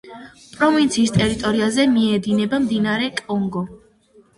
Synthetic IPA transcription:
pʼɾɔvint̪sʰiːst̪ʼɛɾit̪ʼɔɾiazɛmiɛd̪inɛbamd̪inaɾɛkʼɔŋɡɔ

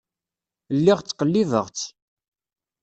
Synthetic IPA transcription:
lːɪʁt͡sːqəlːivəʁt͡s

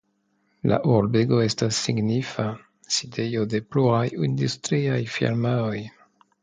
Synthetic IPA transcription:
lʔa̰ʔulbeɡoest̪asːiɡnifa | sid̪ejod̪epluʁajind̪yst̪ɾiajfḭlmaoj

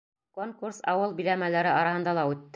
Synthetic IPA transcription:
koŋkursɑ̰wɤlˠbilæmælæɾɘɑɾɑhɤ̆nd̪ɑlˠɑʉt̪ː

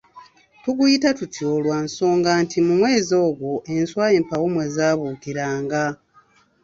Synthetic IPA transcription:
tuɡujitatutʰjoːlwaːnso̞ːŋɡaːntʰimumwe̞ːzo̞ːɡwo̞ʔe̞nswaːjeːmpawomwe̞ːzaːβuːkiɾaːŋɡa

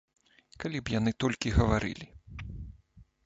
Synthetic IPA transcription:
kalʲibjanɨt̪ɔlʲkʲiɣɐvaɾʔɨ̰lʲi

